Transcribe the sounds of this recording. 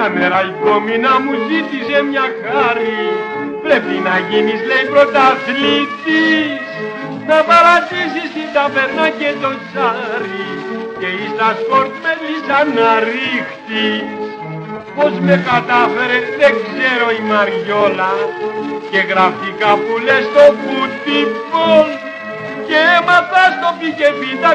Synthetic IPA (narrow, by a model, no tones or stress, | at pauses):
ameɾalpo̞minɐmuzit̪isemɲaxaɾi | pɾe̞pinɐʝinisle̞jpɾo̞t̪aθlit̪is | napɐɾat̪isisit̪ape̞ɾnacet̪ot͡saɾiceist̪ɐsko̞ɾt̪melisɐnaɾixt̪is | po̞zme̞kat̪afe̞ɾeðekseɾo̞imɐɾʝolɐ | ce̞ɣɾɐfikapulest̪ovut̪ipol | ceemɐθast̪o̞picevit̪a